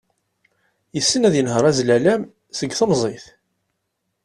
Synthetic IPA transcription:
jəsːənæðjənɦəɾˤæzlælæm | səɡθəmzˤeθ

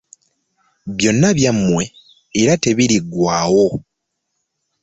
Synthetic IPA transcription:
βjo̞nːaβjamːwe̞ː | ɾate̞βiɾiɡwaːwo̞

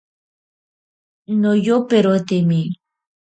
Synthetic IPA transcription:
nojopeɾot̪imi

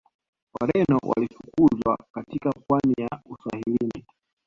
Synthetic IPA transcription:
waɾɛnɔwa̰lifukuzwakatikakwanijausahilini

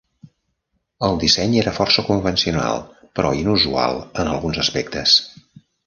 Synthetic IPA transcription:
əlˠd̪isɛɲeɾəfɔrsəkumvənsiuna̰lˠ | pɾɔinuzua̰lˠənəlˠɣunzəspɛkt̪əs

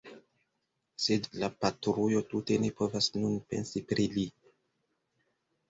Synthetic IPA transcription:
se̞dlapatɾujo̞tute̞ne̞po̞vasnunpe̞̰nsipɾili

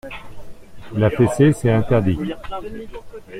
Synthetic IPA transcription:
lafesesɛɛ̃t̪ɛʁd̪i

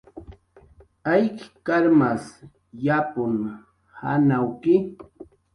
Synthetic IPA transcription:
ajkɪ̥kaɾmas | japʊŋ | ha̰nawkɪ

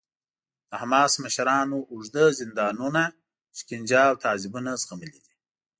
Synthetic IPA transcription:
d̪̥əhamɑsmaʃaɾɑnoːʐd̪əzɪnd̪ɑːnuna | ʃkind͡ʒɑwt̪ʰɑːzibunazɣaməlid̪i̥

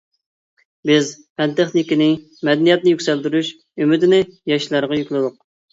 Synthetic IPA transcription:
bɪzpʰɛnt̪ɛχnɪkʲinɪ | mɛd̪ɛnijɛt̪̚nɪjykʲsɛld̪yɾyʃ | ymyd̪ɪnɪjɑʃlˠɑɾʁɑjykʲlˠɨd̪ʊq̚

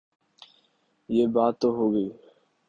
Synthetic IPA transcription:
jebat̪oɦoɣe

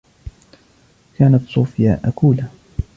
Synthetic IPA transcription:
kaːnat̪sˤuːfɪja̰ːʔakuːla

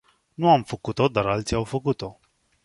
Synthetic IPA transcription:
nuamfəkut̪o̞d̪aɾalt̪siawfəkut̪o̞

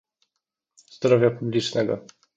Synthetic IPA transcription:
z̥d̪ɾɔvʲjapublʲit͡ʂnɛɡɔ̰

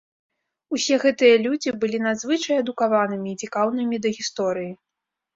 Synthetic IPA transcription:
usʲɛɣɛt̪ɨjɐlʲud͡zʲibɨlʲinad̪zvɨt͡ʂɐjɐd̪ukavanɨmʲiːt͡sʲikawnɨmʲid̪ɐɣʲist̪ɔɾɨji

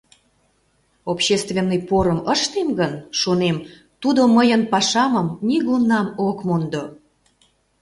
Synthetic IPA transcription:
opɕest̪vʲenːɨjpoɾəməʃt̪emɡənʃonem | t̪ud̪oməjənpɑʃɑməmnʲiɣunɑmokmond̪o

